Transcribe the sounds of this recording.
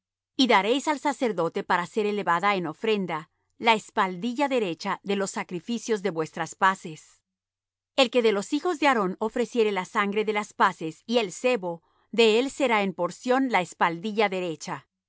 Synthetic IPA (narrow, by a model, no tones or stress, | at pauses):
iðaɾe̞jsalsase̞ɾðo̞t̪e̞paɾase̞ɾe̞le̞βaðae̞no̞fɾe̞nd̪a | lae̞spald̪iʝaðe̞ɾe̞t͡ʃaðe̞lo̞sːakɾifisjo̞zðe̞βwe̞st̪ɾaspase̞s | e̞lke̞ðe̞lo̞sixo̞zðe̞aɾo̞no̞fɾe̞sje̞ɾe̞lasaŋɡɾe̞ðe̞laspase̞sielse̞βo̞ | ðe̞else̞ɾae̞mpo̞ɾsjo̞nlaespald̪iʝaðe̞ɾe̞t͡ʃa